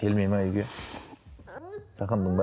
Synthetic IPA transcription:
kʲʰelmejmaʏjɡʲe | sɑχənd̪əɴd̪

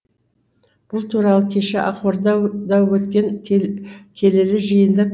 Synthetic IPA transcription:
b̥ʊlˠt̪ʰuɾɑlˠəkʲʰe̞ʃɪʔɑqwoɾd̪ɑd̪ɑwwɵt̪kʲe̞ŋ | kʲʰe̞lelɪʒəjənd̪ə

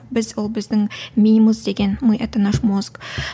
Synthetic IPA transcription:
bɪzwolˠbɪzd̪ɪŋmʲinʲiməzd̪e̞ɡʲe̞nmujʔɑt̪ɑnɑʃmosk

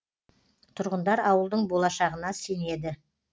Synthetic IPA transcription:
t̪ʰʊɾʁənd̪ɑɾɑwəlˠd̪əɴbo̞lˠɑʃɑʁənɑse̞ne̞d̪ɪ

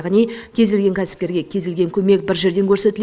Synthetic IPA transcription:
ʁənijkʲʰe̞zd̪elɡʲe̞ŋkʲʰæsɪ̥p̚kʲe̞ɾɡʲe̞kʲʰe̞zd̪ʲelɡʲe̞ŋkʲʰɵme̞kbɪɾʒe̞ɾd̪e̞ŋkʲʰɵɾse̞t̪ɪl

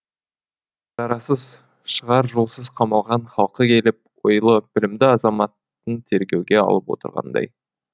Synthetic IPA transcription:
ʒ̥ɑɾɑsəz | ʃəʁɑɾʒolˠsəzqʰɑmɑlˠʁɑɴχɑlˠqəkʲʰe̞lɪp̚wojlˠəb̥ɪlɪmd̪ɪɑzɑmɑt̪ːənt̪ʰe̞ɾɡʲe̞wɡʲe̞ɑ̰lˠəpwo̞̰t̪ə̰ɾʁɑ̰nd̪ɑ̰j

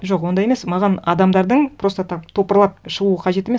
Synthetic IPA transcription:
ʒo̞qwo̞nd̪ɑje̞me̞smɑʁɑnɑd̪ɑmd̪ɑɾd̪əɴpʰɾo̞st̪ɑt̪t̪ʰo̞pəɾlˠɑp̚ʃəʁuəqʰɑʒe̞t̪e̞mes

